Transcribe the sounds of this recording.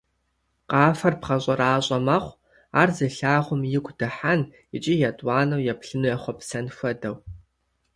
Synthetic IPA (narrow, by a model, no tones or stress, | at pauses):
qɑːfɐrpχɐɕʼɐraːɕʼɐmɐχʷ | aːrzɨɬaːʁʷʊmjɪɡʷd̥ɐħan | ɪt͡ʃʼijɐtʼwɑːnɐwjɛpɬɨnujaχʷɔpsɐnfʷɐdɐw